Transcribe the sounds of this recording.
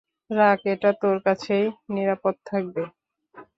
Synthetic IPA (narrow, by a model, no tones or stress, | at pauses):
ɾakeʈat̪oɾkat͡ɕʰejniɾapot̪̚t̪ʰak̚be